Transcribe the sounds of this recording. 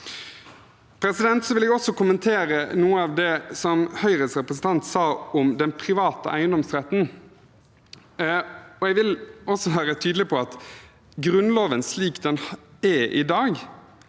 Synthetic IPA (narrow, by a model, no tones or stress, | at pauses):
pʰɾɛsɪd̪ɛnt̪sɔʋɪlɛɡɔsɔkʊmənt̪ʰeːɾənuːəɑːʋd̪ɛsɔmhœʏɾəsɾɛpɾəsn̩t̪ʰɑnt̪sɑːɔmd̪ɛnpʰɾɪʋɑːt̪əʔæ̰ɪənd̪ɔmsɾɛt̪n̩ | ɔɛɡʋɪlɔsːɔʋæːɾət̪ʰyːd̪lɪpʰɔɑt̪ | ɡɾʉnloːʋənsliːkd̪ɛnɛʔɪ̰d̪ɑːɡ